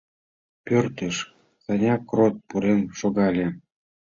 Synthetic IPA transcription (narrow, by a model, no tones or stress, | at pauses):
pʲørt̪eʃ | sɑnʲɑkrot̪̚puɾemʃoɣɑlʲĕ